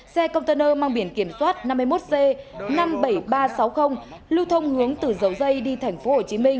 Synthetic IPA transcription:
sɛ˧kə˧wŋ͡mt̪əː˧nəː˧maː˧ŋɓi˧˩ənki˧˩əmswaː˦˥t̚na˧mː˧jmo˦˥t̚ze˧na˧mɓə˧˩jɓaː˧sa˨˦wxə˧wŋ͡m | lu˧wt̪ʰə˧wŋ͡mhɨ˨˦əŋt̪ɨ˨˩zə˨˦wzə˧jɗi˧t̪ʰɛ˨˩jŋ̟fo˨˦ho˧˩t͡ɕi˨˦mï˧ŋ̟

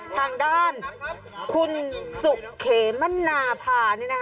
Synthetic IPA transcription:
t̪ʰaː˧ŋdaː˥˩n | kʰu˧nsu˨˩kkʰeː˩˦ma˥˨nːaː˧pʰaː˧nɯː˥˩na˦

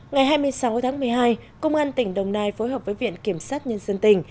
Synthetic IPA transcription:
ŋa˨˩jɦaː˧jmɨ˧əjsa˨˦wt̪ʰaː˨˦ŋmɨ˨˩əjɦaː˧jkə˧wŋ͡mʔaː˧nt̪ï˧˩ŋ̟ɗə˨˩wŋ͡mnaː˧jfo˨˦jɦəː˨˩p̚vəː˨˦jvḭ˧˨ənki˧˩əmsaː˦˥t̚ɲə˧nzə˧nt̪ï˧˩ŋ̟

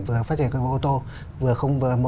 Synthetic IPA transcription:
vɨ˨˩əfaː˦˥tt͡ɕi˧˩ə˨kɔ˧m˧˨ʔo˧t̪o˧ | vɨ˨˩əxə˧wŋ͡mvɨ˨˩əmo˨

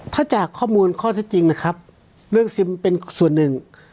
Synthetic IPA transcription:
t̪ʰaː˧˥˩t͡ɕaː˨˩kʰːɔː˥˩muː˧nkʰɔː˥˩t̪ʰe˦˥t̪̚t͡ɕi˧ŋna˦˥kʰa˦˥p̚ | lɯ˥˩əŋsi˧˥mpe˧nsu˨˩ənːɯ˨˩ŋ

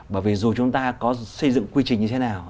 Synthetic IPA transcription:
ɓəː˧˩jvi˨˩zu˨˩t͡ɕʊ˨˦ŋ͡mt̪aː˧kɔ˨˦sə˧jzɨ̰˧˨ŋkwi˧t͡ɕï˨˩ŋ̟ɲɨ˧t̪ʰe˨˦naː˨˩w

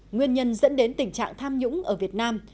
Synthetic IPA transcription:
ŋwi˧ənɲə˧nzə̰˧˥nɗe˨˦nt̪ï˨˩ŋ̟t͡ɕa̰ː˧˨ŋt̪ʰaː˧mɲʊ̰˧˥ŋ͡mʔəː˧˩vi˨˩ət̚naː˧m

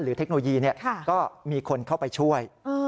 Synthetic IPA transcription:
ɾɯː˩˦t̪ʰe˦˥k̚no˧o˧jiː˧ni˥˩ɐkʰa˥˩kɔː˥˩miː˧kʰo˧nkʰa˥˩wpa˧jt͡ɕʰu˥˩əjː

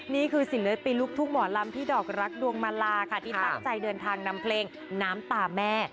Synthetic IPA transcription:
niː˥˩kʰɯː˧si˨˩˦nlɯː˦jpiː˧luː˥˩k̚t̪ʰu˥˩ŋ̚mɔː˩˦la˧mt̪ʰiː˥˩dɔː˨˩k̚ɾa˦˥k̚du˧əŋmaː˧laː˧kʰa˥˩t̪ʰiː˥˩ta˥˩ŋt͡ɕa˧jdɤː˧nt̪ʰaː˧ŋna˧mpʰleː˧ŋ | naː˦˥mt̪aː˧˩mɛː˥˩

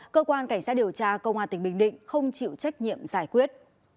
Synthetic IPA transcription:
kəː˧kwaː˧nka˧˩jŋsa˦˥t̚ɗi˨˩əwt͡ɕaː˧kə˧wŋ͡mhwaː˧˩ï˧˩ŋ̟ɓï˧˩ŋ̟ɗḭ̈˧˨ŋ̟xə˧wŋ͡mt͡ɕḭ˧˨wt͡ɕa˦˥jk̟̚ɲḭ˧˨əmzaː˧˩jkwi˦˥ət̚

